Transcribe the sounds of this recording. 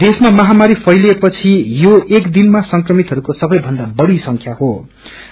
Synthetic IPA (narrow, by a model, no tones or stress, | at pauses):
d̪esmamʌɦamaɾipʰʌjlepʌt͡sʰijoekd̪inmasʌŋkrʌmit̪ɦʌɾukosʌbʌjbʱʌnd̪abʌɽisʌŋkʰjaɦo